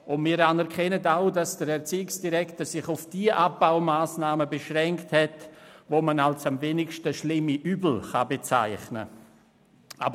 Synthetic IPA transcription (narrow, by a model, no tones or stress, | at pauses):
ʊnmiːɾanɛɾkʰɛnətaʊdasd̥əɾɛɾt͡siːɪksd̥iɾɛktəsɪχʊfd̥iəʔab̥̚aʊmaːsnaːməbeʃʁɛŋkthɛtvoːmanalsamveːnɪkʃtəʃlɪmːiʔyːbl̩χabet͡sa̰ɪχnə̰ | ʔa̰bə